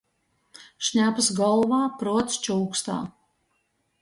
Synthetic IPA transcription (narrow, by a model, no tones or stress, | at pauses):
ʃɲʲapɨsɡɔlˠvaːpɾɔɔt̪st͡ʃuwkst̪a̰ː